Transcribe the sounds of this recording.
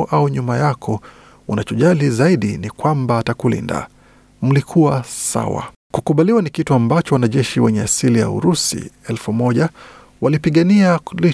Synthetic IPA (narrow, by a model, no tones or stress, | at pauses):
ʔauɲumajakʰɔ | unat͡ʃɔʄalizaiɗḭnikwambaːtakulḭnda̰ | m̩likʰuwasa̰wa̰ | kukuɓaliwanikituambat͡ʃɔwanaʄɛʃiwɛɲɛasilija̰ṵɾusḭɛlfumɔʄa | walipiɠaniali